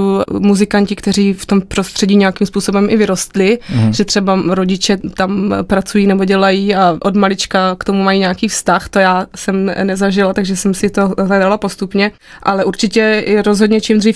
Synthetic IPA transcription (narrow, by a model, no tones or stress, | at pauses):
muzɪkancɪkt̪ɛɾ̝iːft̪o̞mpɾost̪r̥ɛɟiːɲɛjakɪmspuːso̞bɛmʔɪvɪɾo̞st̪lɪʒɛt̪r̝̥ɛbaɾo̞ɟɪt͡ʃɛt̪ampɾat͡sujiːnɛboɟɛlajiːaʔodmalɪt͡ʃkakt̪o̞mumajiːɲɛakiːfst̪axt̪o̞jaːsɛmnɛzaʒɪlat̪aɡʒɛsɛmsɪt̪olaɡdalapo̞st̪upɲɛ | ʔalɛʔuɾt͡ʃɪcɛɪɾozɦodɲɛt͡ʃimd̪riːf